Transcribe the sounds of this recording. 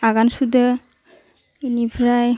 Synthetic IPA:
aɡansudə | inibʰɾaj

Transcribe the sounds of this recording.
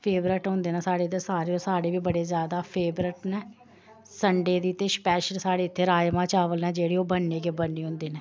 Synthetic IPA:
pʰeːbɾəʈɦʊ̃nd̪eːnaːsaːɽeːt̪esaːɾeːosaːɽeːʋiːbəɽeːzjaːd̪aːpʰeːbɾəʈnɛː | səɳɖeːd̪iːt̪eːspɛːʃənsaːɽeːɪt̪ʰːeːɾaːjmãːt͡ʃaːʋəlnɛːd͡ʒeːɽiːoːbənːeːkeːbənːiːɦʊ̃nd̪iːnɛː

